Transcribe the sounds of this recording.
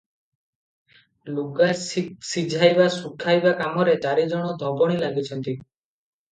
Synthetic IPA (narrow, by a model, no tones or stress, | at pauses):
luɡassid͡ʒʱajbasukʰajbakamɔɾetaɾid͡ʒɔɽ̃ɔd̪ʱɔbɔɽ̃ilaɡit͡ʃʰɔnt̪i